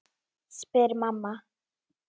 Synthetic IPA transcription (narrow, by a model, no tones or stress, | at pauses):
spɛɾmamːa